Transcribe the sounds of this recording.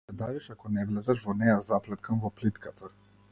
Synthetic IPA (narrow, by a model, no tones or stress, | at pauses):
ɛd̪aviʃakɔnɛvlɛzaʃvɔnɛjazaplɛt̪kamvɔplit̪kat̪ʰa